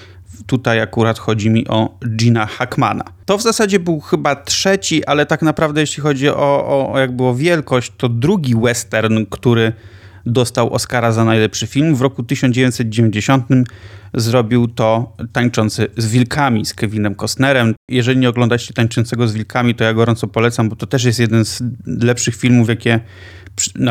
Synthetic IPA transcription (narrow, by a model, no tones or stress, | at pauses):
t̪ut̪ajakuɾat̪xɔd͡ʑimʲiʔɔd͡ʒinaxakma̰na̰t̪ɔvzasad͡ʑɛbɘwxɘbatʂɛt͡ɕiʔalɛt̪aknapɾavd̪ɛjɛɕlʲixɔd͡ʑiɔjaɡ̚bɘɔvʲjɛlkɔɕt͡ɕt̪ɔd̪ɾuɡʲiwɛst̪ɛɾnkt̪uɾɘ | d̪ɔst̪awʔɔ̰skaɾazanajlɛpʂɘfʲilmvɾɔkut̪ɘɕɔnd͡ʑevʲjẽɲtsɛt̪̚d͡ʑevʲeɲd͡ʑeɕɔnt̪ɘmzɾɔbʲiwt̪ɔt̪aɲt͡ʂɔnt̪sɘzvʲilkʰamʲiskɛvʲinɛmkɔsnɛɾɛmjɛʐɛlʲiɲɛɔɡlɔ̃nd̪at͡ɕɛt̪aɲt͡ʂɔnt̪sɛɡɔzvʲilkʰamʲit̪ɔjaɡɔɾɔnt̪sɔpɔlɛt̪sambɔt̪ɔt̪ɛʂ̬jɛst̪jɛd̪ɛnzlɛpʂɘxfʲilmufjakʲɛ | pn